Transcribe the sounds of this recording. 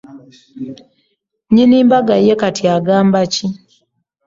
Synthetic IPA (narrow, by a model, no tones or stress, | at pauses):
ɲiniːmbaɡajekatiaɡaːmbaci